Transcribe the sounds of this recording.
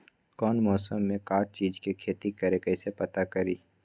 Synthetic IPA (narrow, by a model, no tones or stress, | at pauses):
kɔːnmɔːsəmːẽkaːɾt͡ʃiːd͡ʒkekʰeːt̪ikɐɾekɛɪsepɐt̪akɐɾiː